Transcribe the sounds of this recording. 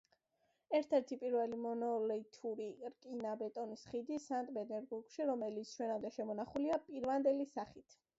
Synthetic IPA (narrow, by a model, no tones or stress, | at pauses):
ɛɾt̪ʰɛɾt̪ʰipʼiɾvɛlimɔnɔlɛit̪ʰuɾiɾkʼinabɛt̪ʼɔnisχid̪isant̪ʼbɛd̪ɛɾbuɾkʃiɾɔmɛlit̪sʰʃwɛnamd̪ɛʃɛmɔnaχuliapʼiɾvand̪ɛlisaχit̪ʰ